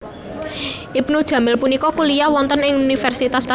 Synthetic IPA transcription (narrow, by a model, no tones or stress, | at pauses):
ʔibnud̥ʒ̥ä̤mɪlpunikɔkulijawɔnt̪ənɪŋunifɛrsit̪ast̪a